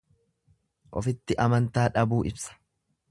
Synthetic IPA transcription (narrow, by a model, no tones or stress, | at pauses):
ʔɔfɪt̪ːɪʔɐmɐnt̪aːᶑɐbuːʔɪbsɐ̥